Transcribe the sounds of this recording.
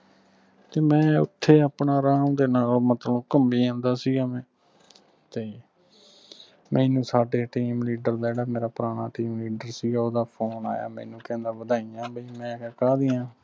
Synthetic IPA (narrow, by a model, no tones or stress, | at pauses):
t̪eːmɛ̃ːʊ̰t̪ʰːeːaːpɳaːɾãːd̪eːnaːlmət̪ləkəmbiːãːnd̪aːsiːɡaːmɛ̃ː | t̪eː | mʔɛ̃ːnũːsaːɖeːʈiːmliːɖəɾd̪aːd͡ʒeːɽaːmeːɾaːpɾaːnaːʈiːmliːɖəɾsiːɡaːoːd̪aːpʰoːna̰ːja̰ːmɛ̰̃ːnũːkɛ̃ːnd̪aːʋəd̪aːijãːbəiːmɛ̃ːkaːd̪iːãː